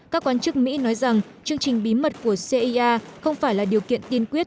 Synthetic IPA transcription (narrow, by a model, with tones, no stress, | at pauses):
kaː˦˥kːwaː˨˧˦nt͡ɕɨ˦˥k̚mḭ˧˥nɔ˨˦jza˨˩ŋ | t͡ɕɨ˧əŋt͡ɕï˨˩ŋ̟ɓi˨˦mə˨˩t̚ku˧˩əse˧ʔi˧ʔaː˧xə˧wŋ͡mfaː˧˩jlaː˨˩ɗi˨˩əwkḭ˧˨ənt̪i˧ənkwi˦˥ət̚